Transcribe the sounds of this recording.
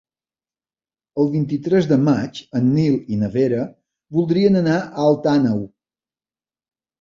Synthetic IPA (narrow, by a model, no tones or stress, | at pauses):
əlˠβint̪it̪ɾɛzðəmat͡ʃənːilˠinəβeɾə | βulˠd̪ɾiənənaəːlˠt̪anəw